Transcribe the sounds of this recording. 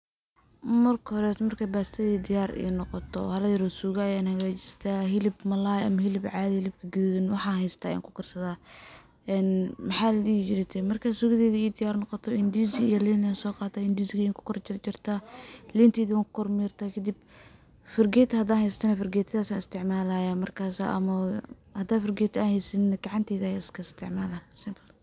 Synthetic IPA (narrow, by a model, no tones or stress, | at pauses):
mɐrkʰhɔɾɛt̪mɐrkʰabaːst̪ʰɐðiːd̪ɪjaːrḭːnɔqɔt̪ʰɔ̰hɐlɐjɐɾɔːsuːɣajaːnhɐɣaːt͡ʃɪ̥st̪ʰaːɦɪlɪbmɐlaːɐmɐɦɪlɪbʕɑːðɐhɪlɪb̚kʰɐɡʊðːðɪnwɑħɑːhɛjst̪ʰaːja̰ːŋkʰʊkʰɐrsɐðaː | ʔɛːnmɐħɑːlit͡ʃɪɾɛt̪ʰɛmɐrkʰasʊɣɪðɛːðiːd̪ɪjaːrnɔqɔt̪ʰɔɪnd̪iːsɪjɐliːnansɔːqɑːt̪ʰaːɪnd̪isɪɣɐjaːŋkʰʊ̥kʰɔrt͡ʃt͡ʃɪrt̪ʰaːliːnt̪ʰɛːðiwaːŋkʰʊ̥kʰɔrmɛːrt̪ʰaːkʰɐd̪ɪb | fɪrɡɛːt̪ʰɐhɐd̪aːnhɛjst̪ʰɐnɐfɪrɡɛːt̪ʰɐðaːsaːnɪst̪ʰɪʕmaːlaːjaːmɐrkʰaːsa̰ʔɐ̰mɐhɐd̪aːfɪrɡɛːt̪ʰaːnhɛjsɪnnɐɡɑʕɑnt̪ʰɛːðjaːɪskʰɐɪst̪ʰɪʕmaːlasɪmpʰɐl